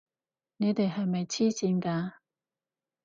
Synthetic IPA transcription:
ne˨˧t̪e˨jɦɐ˨jmɐ˨jt͡sʰiː˥siː˨˥nkaː˧

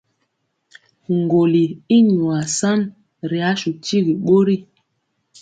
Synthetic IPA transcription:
ŋ˨ɡo˨li˨i˦ɲu˨a˨sa˦n | ɾi˨a˨˦ʃu˨ti˦ɣi˨ɓo˦ɾi˦˨

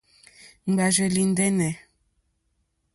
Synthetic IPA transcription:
ŋ͡m̩˨ɡ͡ba˨ʒɛ˨li˨n˦dɛ˦nɛ˨

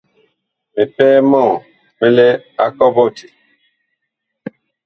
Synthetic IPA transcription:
me˨pɛː˦mɔ˦˨ | me˦lɛ˦a̰˦kɔ˦bɔ˦ti̥˨

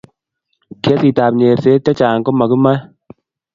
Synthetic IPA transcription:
kɛ˦si˨ta˨pɲe˨ɾse˦tɛ˦t͡ʃaː˨ŋkɔ˦ma˨ku˦ma˦

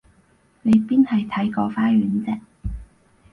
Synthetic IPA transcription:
ne˨˧jpiː˥nhɐ˨jt̪ʰɐ˨˥jkɔː˧faː˥ɥyː˨˥nt͡sɪ˨k̚

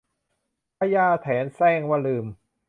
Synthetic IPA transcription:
pʰa˧jaː˧˩t̪ʰɛː˩˦nsɛː˧˩ŋwaː˧lɯː˧˩m

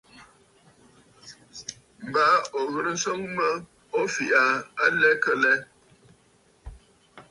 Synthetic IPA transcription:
m̩˨ba˨˦o˨ɣə˨ɾə˦n̩˦so˦ŋmə˦ | o˦fi˨ʔa˨a˦lɛ˦kə˨lɛ˦

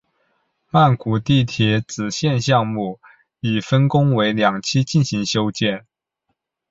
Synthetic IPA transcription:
ma˥˩nkʰu˨˩t̪i˥˩t̪ʰjɛ˧˥t͡sɹ̩˨˩ɕjɛ˥˧nɕjɑ˥˧ŋmu˥˩ | i˨˩fə˥nkʊ˥ŋwe˧˥ɪljɑ˨˩ŋt͡ɕʰi˥t͡ɕi˥˩nɕi˧˥ŋɕjo˥ʊt͡ɕjɛ˥˩n

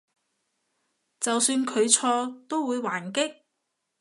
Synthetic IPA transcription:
t͡sɐ˨wsyː˧nkʰɵ˨˧ɥt͡sʰɔː˧t̪o˥wwuː˨˧jwaː˨˩nkɪ˥k̚

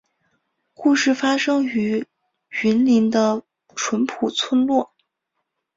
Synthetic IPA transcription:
ku˥˧ʂɻ̩˥˩fa˥ʂɤ˥ŋy˧˥ | y˧˥nli˧˥nd̪ə˧ | ʈ͡ʂʰwə˧˥npʰu˨˩t͡sʰwə˥nlwɔ˥˩

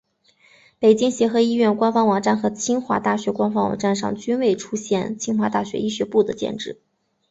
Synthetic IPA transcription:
pe˨˩ɪt͡ɕi˥ŋɕjɛ˧˥xɤ˧˥i˥ɥɛ˥˩nkwa˥nfɑ˥ŋwɑ˨˩ŋʈ͡ʂa˥˩nxɤ˧˥t͡ɕʰi˥ŋxwa̰˧˥t̪a˥˩ɕɥɛ˧˥kwa˥nfɑ˥ŋwɑ̰˨˩ŋʈ͡ʂa˥˧nʂɑ̰˥˩ŋt͡ɕy˥nwe˥˩ɪʈ͡ʂʰu˥ɕjɛ˥˩nt͡ɕʰi˥ŋxwa˧˥t̪a˥˩ɕɥɛ̰˧˥i˥˩ɕɥɛ˧˥pu˥˩d̪ə˩t͡ɕjɛ̰˥˧nʈ͡ʂɻ̩˥˩

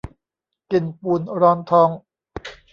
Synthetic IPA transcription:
ki˨˩npuː˨˩nɾɔː˧˥nt̪ʰɔː˧ŋ

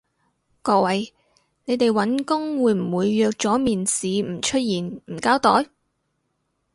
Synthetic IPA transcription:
kɔː˧k̚wɐ˨˧j | ne˨˧jt̪e˨jwɐ˨˥nkʊ˥ŋwuː˨˧jm̩˨˩wuː˨˧jːœː˧k̚t͡sɔː˨˥miː˨nsiː˨˧m̩˨˩t͡ʃʰɵ˥t̚jiː˨˩nm̩˨˩kaː˥wt̪ɔː˨˥j

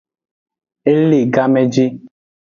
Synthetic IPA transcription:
e˦li˦˨ɡa˦me˦d͡ʒi˦

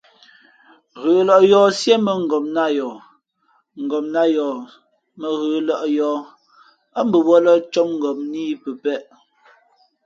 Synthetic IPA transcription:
ɣəː˨lɔ˦˨ʔjɔː˦sje˦mə˨ŋ̩˨ɡɔ˨mna˦jɔ˨ | ŋ̩˨ɡɔ˨mna˦jɔ˨ | mə˨ɣəː˨lɔ˦ʔjɔː˦ | a˦m̩˦bə˨bɔ˦lɔ˦t͡ʃɔ˦m̚ŋ̩˨ɡɔ˨m̚niː˦pə˨pɛ˦ʔ

